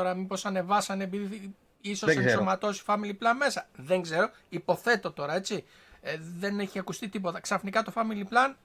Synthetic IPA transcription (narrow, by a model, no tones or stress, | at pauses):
oɾɐmipo̞sɐne̞vɐsɐnepiði | isosesomɐt̪o̞si̥fɐmiliplɐnme̞sɐðe̞ŋɡze̞ɾo̞ | ipo̞θe̞t̪o̞t̪o̞ɾɐe̞t͡si | ðe̞ne̞çiɐkust̪it̪ipo̞t̪ɐksɐfnikɐt̪o̞fɐmiliplɐn